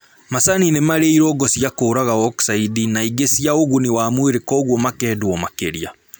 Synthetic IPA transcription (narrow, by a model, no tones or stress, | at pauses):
masaninemaɾeiɾɔɡɔsiakoːɾaɣaɔksaidinaiɡesiaoɣuniwaːmweɾekɔɣwɔmakɛːdwɔmakeɾia